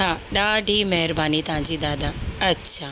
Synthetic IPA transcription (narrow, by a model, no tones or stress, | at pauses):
aɗaːɖʱimɐɦɪɾbaːnit̪ɐɦãɲd͡ʑid̪aːd̪aɐtːɕʰa